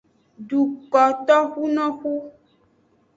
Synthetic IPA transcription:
ɖu˨kɔ˨t̪ɔ˦xu˦nɔ̃˦xu˦

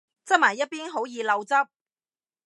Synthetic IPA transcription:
t͡sɐ˥t̚maː˨˩jɐ˥t̚piː˥nɦo˨˥wjiː˨˧lɐ˨˧wt͡sɐ˥p̚

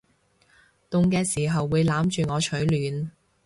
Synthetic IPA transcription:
t̪ʊ˨ŋkɛː˧siː˨˩ɦɐ˨wːuː˨˧jlaː˨˥mt͡ʃyː˨ŋɔː˨˧t͡ʃʰɵ˨˥ɥlyː˨˧n

